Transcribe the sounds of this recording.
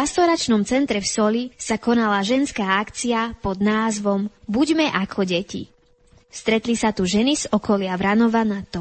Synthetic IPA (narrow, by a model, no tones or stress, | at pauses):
ast̪ɔɾat͡ʃnɔmt͡sɛnt̪ɾɛfsɔlisakɔnalaʒɛnskaːakt͡siapɔd̪naːzʋɔmbuɟmɛʔakʰɔɟɛcḭ | fst̪ɾɛt̪lisat̪uʒɛniz̥ɔkɔlɪaʋɾanɔʋanat̪ɔ